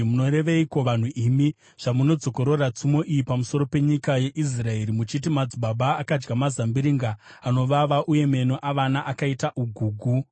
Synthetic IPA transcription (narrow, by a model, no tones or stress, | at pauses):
muno̞ɾe̞ʋeikoʋan̤uʔimi | ʐ̥amuno̞d͡zo̞ko̞ɾo̞rat͡sumo̞ʔijipamuso̞ɾo̞pe̞ɲikaje̞ʔis̬rae̞ɾimut͡ʃitimad͡zibaɓaːkad͡ʒɡamazambiɾiŋɡa | ano̞ʋaʋaʔuje̞me̞noʔaʋanaʔakaitaʔuɡʱuːɡʱu